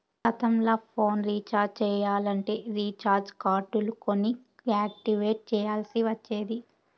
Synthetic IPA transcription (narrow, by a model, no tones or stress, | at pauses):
ɐt̪ɐmlaːpʰo̞ːnɾiːt͡ʃaːɾd͡ʒt͡ʃɛːjaːlɐɳʈe̞ːɾiːt͡ʃaːɾd͡ʒkaːɾʈuluko̞ni | aːk̚ʈiʋeːʈ̚t͡ʃɛːjaːlsiʋɐt͡ʃːeːd̪i